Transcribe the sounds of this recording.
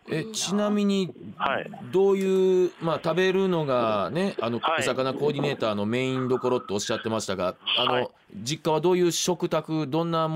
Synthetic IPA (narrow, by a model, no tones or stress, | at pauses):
e̞t͡ɕinamʲiɲ̟i | d̪o̞ːjɯːmaːt̪abe̞ɾɯ̟no̞ɡane̞ano̞osakanako̞ːd̪ʲine̞ːt̪aːno̞me̞ːĩnd̪o̞ko̞ɾo̞t̪ːe̞o̞ɕi̥at̪ːe̞maɕi̥t̪aɡaano̞ | d͡ʑikːaβ̞ad̪o̞ːjɯ̟ːɕo̞kɯ̟t̪akɯ̟d̪õ̞nːam